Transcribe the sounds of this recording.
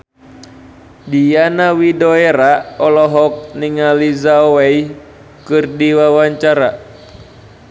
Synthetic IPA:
dijanawidoɛɾaɔlɔɦɔk̚niŋalizaowɛj | kɨrdiwawaɲt͡ʃaɾa

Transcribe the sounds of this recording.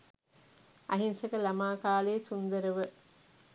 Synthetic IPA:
ʔɐɦinsɐkɐlɐmaːkaːleːsund̪ɐɾəʋə

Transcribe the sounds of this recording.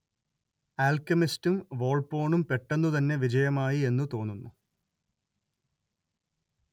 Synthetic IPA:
aːlkɐmistumʋo̞ːɭpo̞ːɳumpeʈːenːut̪ɐnːe̞ʋid͡ʑɐjɐmaːjie̞nːut̪o̞ːnːunːu

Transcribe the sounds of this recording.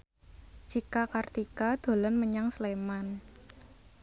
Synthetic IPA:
d͡ʒ̥ikakart̪ikad̪̥o̤lənməɲaŋsleman

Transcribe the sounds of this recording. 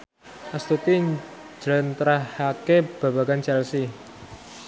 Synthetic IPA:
ʔast̪ut̪i̥ | d͡ʒɾənt̪ɾahakeb̥a̤ba̤ɡant͡ʃɛlsi

